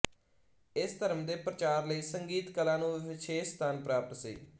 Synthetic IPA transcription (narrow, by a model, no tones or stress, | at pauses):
ɪst̪əɾəmd̪eːpɾət͡ʃaːɾləiːsəŋɡiːt̪kəlãːnũːʋɪʃʰeːst̪aːnpɾaːpət̪sḭː